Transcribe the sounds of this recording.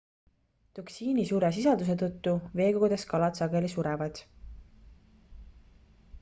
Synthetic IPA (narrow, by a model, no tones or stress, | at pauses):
t̪uksiːnisuːɾe̞s̬isɑld̪us̬e̞t̪ut̪ːuve̞ːɡoɡud̪̥e̞skɑlɑt̪sɑɡe̞lisuɾɛvɑd̪̥